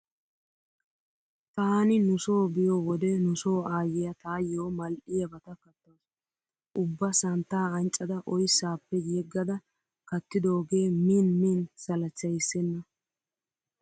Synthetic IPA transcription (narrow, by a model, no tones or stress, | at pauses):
t̪aːnɪnʊso̞ːbɪjowɔd̪ɛnʊso̞ːaːjɪjɐt̪aːjoːmɐlʔɪjɐbɐt̪ɐkɐt̪ːaːs | ʔʊbːɐsɐnt̪ːaːɐnt͡ʃʼːɐd̪ɐʔɔjsːaːpːɛjɛɡːɐd̪ɐ | kɐt̪ːɪd̪oːɡe̞ːmiːnmiːnsɐlɐt͡ʃːɐjsːɛnːɐ